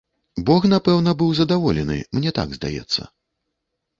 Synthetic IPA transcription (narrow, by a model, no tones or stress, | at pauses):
bɔxnapɛwn̪ɐbɨwzɐd̪avɔlʲɛnɨ̰mnʲɛt̪a̰ɡzd̪a̰jɛ̰t̪sːɐ̰